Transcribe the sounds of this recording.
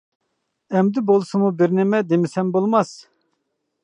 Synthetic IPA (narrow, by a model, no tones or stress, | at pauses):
ɛmd̪ɪbolˠsɨmubɪɾnɪmɛd̪emɪsɛmbolˠmɑs